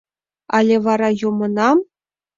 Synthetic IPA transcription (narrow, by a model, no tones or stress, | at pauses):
ɑlʲeʋɑɾɑjumɤ̆nɑm